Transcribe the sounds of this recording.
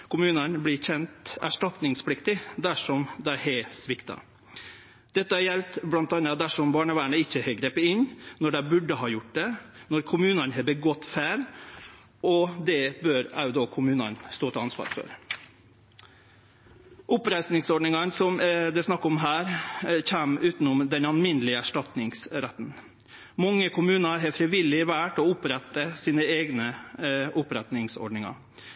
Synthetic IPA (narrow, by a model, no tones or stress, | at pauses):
kʰʊmʉːnɑnblɪːçɛnt̪æʂʈɑt̪nɪŋsplɪkt̪ɪd̪æʂɔmd̪æhɛsʋɪkt̪ɑ̰ | d̪̥ɛt̪ːəɑjɛlt̪blɑnt̪ɑnɑd̪æʂɔmbɑːɳəʋæːɳəɪçːəhɛɡɾeːpːəɪnːnɔɖæɪbʉɖəhɑːjʊʈ̚d̪ɛnɔɾkʰʊmʉːnɑnɦɛbəɡɔt̪ːfæːɾ | ɔd̪ɛbøːɾɑ̰ʊd̪ɔkʰʊmʉːnɑ̰nst̪oːt̪ʰɛɑnsʋɑ̰ːɾfœ̰ɾ | ʔʊpɾæɪsnɪŋsɔɖɳɪŋɑnsɔmd̪ɛsnɑkːɔmɦæːɾçæːmʉːt̪nʊmd̪ɛnɑnmɪnəlɪəæʂʈɑt̪nɪŋsɾæt̪n̩ | mɑŋːəkʰʊmʉːnɑɾɦɛfɾɪʋɪlːɪʋæːʈɔʊpɾɛt̪ːəsiːnəeːɡnəʔʊpɾɛt̪nɪŋsɔ̰ɖɳɪŋɑ̰